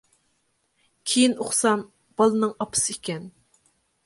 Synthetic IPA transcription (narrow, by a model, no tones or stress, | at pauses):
kʲʰejinoχsɑm | b̥ɑlˠɨnɨŋɑpʰɨ̥sɨikʲɛn